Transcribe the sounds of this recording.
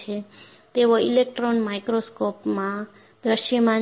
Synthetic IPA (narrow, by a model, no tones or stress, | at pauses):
e | t̪eʋoilek̚ʈɾonmajkɾoskopmã | d̪əʃəmã